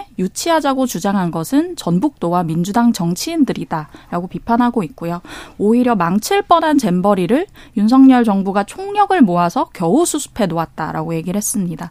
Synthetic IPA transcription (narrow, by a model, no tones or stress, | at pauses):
jut͡ɕʰiɦad͡ʑaɡot͡ɕud͡ʑaŋɦanɡʌsʰɯnt͡ɕʌnbuk̚t͈owamind͡ʑudaŋt͡ɕʌŋt͡ɕʰiːndɯɾidaɾaɡopipʰanɦaɡoit̚k͈ujooiɾjʌmaŋt͡ɕʰiɭp͈ʌnant͡ɕe̞mbʌɾiɾɯɭjunsʰʌŋɲʌɭd͡ʑʌŋbuɡat͡ɕʰoŋɲʌɡɯɭmoasʰʌkjʌusʰusʰu̥pʰe̞noat̚t͈a̰ɾa̰ɡoje̞ɡiɾɭhes͈ɯmɲida